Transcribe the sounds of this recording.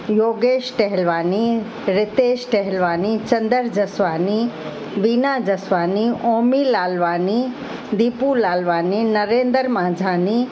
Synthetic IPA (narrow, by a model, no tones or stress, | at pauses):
joːɡeːʃʈɛɦlʋaːni | ɾɪt̪eːʃʈɛɦɛlʋaːnit͡ʃɐnd̪əɾd͡ʒɐsʋaːni | ʋiːnaːd͡ʒɐsʋaːnioːmiːlaːlʋaːni | d̪iːpulaːlʋaːninɐɾẽːnd̪əɾmãːd͡ʒʱaːni